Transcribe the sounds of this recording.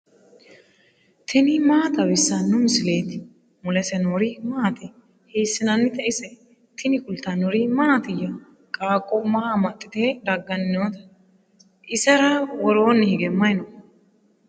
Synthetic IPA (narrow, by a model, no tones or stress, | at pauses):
t̪ʰɪnɪmaːt̪ɐbɪsːɐnʊmsɪle̞ːt̪ɪ | mʊlɛsɛnoːɾɪmaːt̪ɛ | heːsːɪnɐnːɪt̪ɛʔɪsɛ | t̪ʰɪnɪkʊlt̪ɐnoɾɪmaːt̪ɪjːɐ | kʼaːkʼːɔmɐhamɐt̪ʼːɪt̪ed̪ɐɡːɐnoːt̪ɐ̥ | ʔɪsɛɾɐwɔɾoːnːɪhɪɡɛmɐjɪno